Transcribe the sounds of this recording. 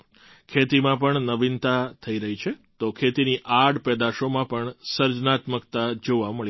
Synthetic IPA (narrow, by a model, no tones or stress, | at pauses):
kʰet̪imãp̬əɳnəbint̪at̪ʰəiɾəɦit͡ʃʰet̪okʰet̪iniʔaɽpɛd̪aʃomãpəɳsəɾd͡ʒnat̪məkt̪ad͡ʒoʋaməɭ